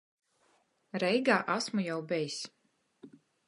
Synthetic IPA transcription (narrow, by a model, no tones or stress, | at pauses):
ɾɛjɡaːʔasmujawbɛjs